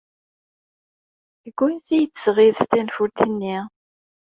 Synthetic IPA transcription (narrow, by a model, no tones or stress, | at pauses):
θəɡʷːʊnθijət͡sːəsʁiðt̪ænfuɾt̪ənːi